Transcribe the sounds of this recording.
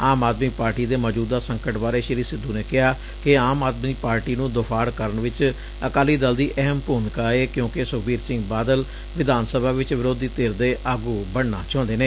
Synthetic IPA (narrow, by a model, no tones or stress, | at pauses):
aːmaːd̪miːpaːɾʈiːd̪eːməd͡ʒuːd̪aːsəŋkəʈbaːɾeːʃɪɾiːsɪd̪ːuːneːkɪɦaː | kɪaːmaːd̪miːpaːɾʈiːnũːd̪ʊpʰaːɽkəɾəɳʋɪt͡ʃ | əkaːliːd̪əld̪iːʔɛɦəmpuːnkaːeːkjõːkɪsʊkbiːɾsɪ̃ŋɡbaːd̪əl | ʋɪd̪aːnsəbʱaːʋɪt͡ʃʋɪɾoːd̪iːt̪eːɾd̪eːʔaːɡuːbəɳna̰ːt͡ʃɔ̃ːnd̪eːneː